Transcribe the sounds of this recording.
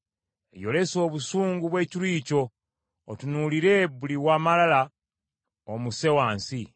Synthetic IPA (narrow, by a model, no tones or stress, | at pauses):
ḛjo̞le̞so̞ːβusuːŋɡuβwe̞ːciliːco̞ː | tunuliɾe̞βuliwaːmalala | omuse̞waːnsi